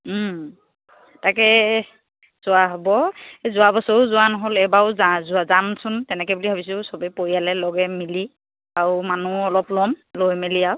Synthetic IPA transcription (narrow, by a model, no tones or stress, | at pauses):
takɛ | z̥ʊaɦobɔzʊabɔsɔʊzʊwanɔɦolɛbaʊzazʊazamsʊntɛnɛkɛbulibʱabis̬ʊsɔbɛpoijalɛlɔɡɛmili | aɹumanuɔlɔplɔmlojmiliaw